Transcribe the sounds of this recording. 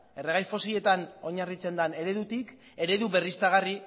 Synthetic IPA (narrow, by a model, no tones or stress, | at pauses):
e̞reɣ̞ajfo̞sie̞t̪ano̞ɲarit͡se̞nd̪ane̞ɾe̞ðut̪ik | e̞ɾe̞ðuβe̞rist̪aɣ̞ari